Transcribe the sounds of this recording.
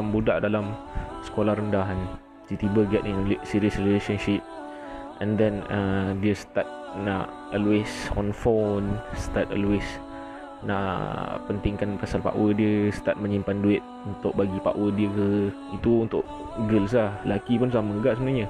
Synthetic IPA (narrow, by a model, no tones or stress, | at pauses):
mbudaʔdalamsə̥kolahɾəndaɦan | sit̪ibəɡɛt̪ɪnlsiɾiəsrilesanʃip̚ | ʔɛ̃ndɛnədiəst̪at̪̚naʔ | ɔlwesɔ̰̃nfonsət̪at̪̚ɔ̰lwes | na̰ʔpənt̪ɪŋkanpasalpa̰ʔwədiəsə̥t̪at̪̚mə̃ɲimpanduɪt̪̚unt̪ʊʔ̚baɡipa̰ʔwədiəkə | it̪uunt̪ʊʔ | ɡəls̬lahlakipʊns̬lahməŋəɡaʔsəbənaɲə